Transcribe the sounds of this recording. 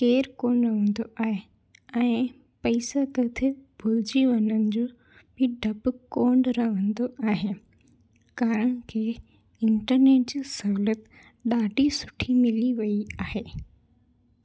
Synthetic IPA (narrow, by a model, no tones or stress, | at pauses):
keːɾkoːnɐʋə̃n̆d̪oʔaːɦe | ɛ̃ː | pɐɪsat̪ɐt̪ʰebʱʊld͡ʑiʋɐnənɪ̆d͡ʑoː | bɪɖʱɐbkoːɳɖɾɐɦə̃nd̪oʔaːɦe | kaːɾəɽ̃əkʰeː | ɪ̃ɳʈəɾneːʈ̚d͡ʑiːsɐɦuːlət̪ | ɗaːɖʱisʊ̥ʈʰimɪliʋɐiaːɦeː